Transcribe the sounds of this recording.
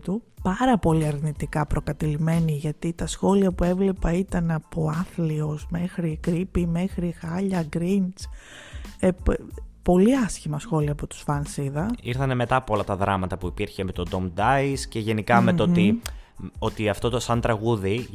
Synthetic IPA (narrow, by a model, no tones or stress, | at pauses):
t̪upɐɾɐpo̞liɐɾnit̪ikɐpɾo̞kɐt̪ilime̞niʝɐt̪it̪ɐsxo̞liɐpue̞vle̞pɐit̪ɐnɐpo̞ɐθliozme̞xɾikɾipime̞xɾixɐʎɐɡɾint͡s | eppo̞liɐsçimɐsxo̞liɐːpot̪u̥sfɐnsiðɐiɾθɐne̞me̞t̪ɐpoolɐt̪ɐðɾɐmɐt̪ɐpuipiɾçemet̪o̞d̪omd̪ɐisce̞ʝe̞nikɐmeot̪i | o̞t̪iɐft̪o̞t̪osɐnt̪ɾɐɣuði